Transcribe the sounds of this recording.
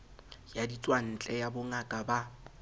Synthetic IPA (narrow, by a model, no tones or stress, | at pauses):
jadit͡sʼwan̩t͡ɬʼɛjabʊŋakʼaba